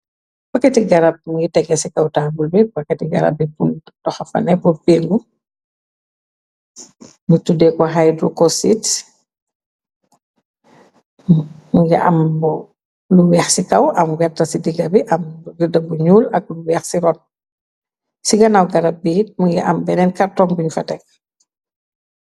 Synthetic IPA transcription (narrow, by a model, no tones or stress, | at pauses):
b̥ɐkːɐtiɡɐɾɐb̚muɡitɛɡɐsikɐwtaːbulbibɐkːɐtiɡɐ̰ɾɐ̰b̚ipun | dɔxɐfɐ̰nɛbubiŋɡu | mutudɛkɔɦajdɾukosit | muŋɡɛ̰ʔɐmbɔ | luwɛːxsikɐwʔɐmɡɛtːɐsidiɡɐbiʔɐmɡiɾdɐbuɲuːlɐk̚luwɛːxsiɾɔn | siɡɐnawɡɐɾabːit̚muŋɡɛ̰ʔɐ̰mbɛnɛnkɐrtɔmbuɲufɐtɛk̚